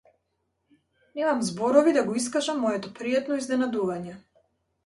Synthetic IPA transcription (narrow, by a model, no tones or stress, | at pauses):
nɛmamzbɔɾɔvid̪aɡɔis̬kaʒamːɔjɛt̪ɔpɾijat̪nɔiznɛnad̪uvaɲɛ